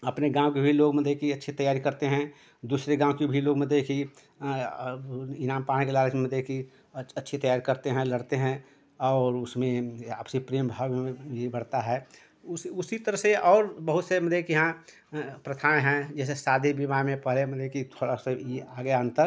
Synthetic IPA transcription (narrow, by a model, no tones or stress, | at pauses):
ɐpneɡãːwkebʱiloːɡməd̪ʱekiɐtːʃʰit̪əjaːɾikɐɾt̪eɦɛ̃ | d̪uːsɾeɡãːwkebʱiloːɡməd̪ʱeki | ɪnaːmpaːɽ̃ikelaːlsməd̪ʱjeki | ətːʃʰit̪əjaːɾikəɾt̪eɦɛ̃ləɽt̪eɦɛ̃ | ɔːɾʊsmẽa̰ːpsipɾeːmbʱaːwẽbʱibəɽt̪aɦɛː | ʊsʊsit̪əɾəɦseʔɔːɾbəɦʊt̪seməd̪ʱekijɐɦã | pɾət̪ʰaːɦɛ̃d͡ʒɛːs̬esaːd̪ʱebimamẽpəɦleməd̪ʱjekit̪ʰoːɽaseiaːɡəjaə̃nt̪əɾ